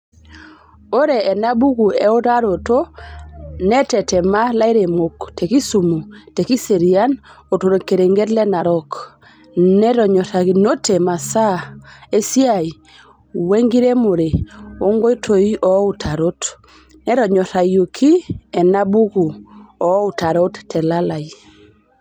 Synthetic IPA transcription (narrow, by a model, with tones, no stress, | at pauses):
o˦ɾe˨ɛ˨na˦bu˦ɡu˨ɛ˨˦o˦ta˦ɾo˨to˦ | nɛ˦tɛ˨tɛ˨ma˦la˦i˦ɾe˨mo˨kte˨ki˦su˨mu˨te˨ki˦se˨ɾi˨a˦n | o˨to˨ɾo˨ke˨ɾe˨ŋɡe˦tlɛ˦na˨ɾɔ˦k | nɛ˦ɾɔ˨ɲɔ˨ta˨ɡi˨no˦tʰe˨ma˨sa˦e˦si˦a˨i˨ | we˦ŋɡi˦ɾe˦mo˨ɾe˨o˦ŋɡo˦i˦tʰo˨i˦ʔɔ˨˦u˨tʰa˨ɾo˦t | nɛ˦ɾɔ˨ɲɔ˨ɾa˨jo˨kʰi˦ɛ˨na˦bu˦ku˨ɔ˨˦u˨ta˨ɾo˦ttʰːɛ˨la˦la˨i˨